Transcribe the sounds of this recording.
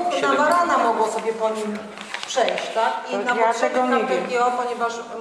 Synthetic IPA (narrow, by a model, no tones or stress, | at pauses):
navaɾanamɔɡwɔsɔbʲjɛpɔɲim | pʂɛjɕt͡ɕt̪akinaɔʂɛaɛɡʲɛɔpɔɲɛvaʂ